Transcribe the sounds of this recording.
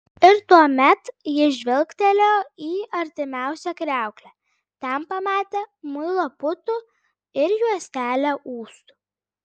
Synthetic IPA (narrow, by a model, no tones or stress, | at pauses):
ɪɾt̪uɔmʲɛt̪jɪʒʲʋʲɪlʲˠkt̪ʲɛlʲoːiːɐɾʲt̪ʲɪmʲæˑʊsʲɛkɾʲæˑʊklʲɛ | t̪ʲɛnpɐmɑːt̪ʲeːmʊɪlˠopʊt̪u | ɪɾjuɔsʲt̪ʲæːlʲoʔuːst̪u̥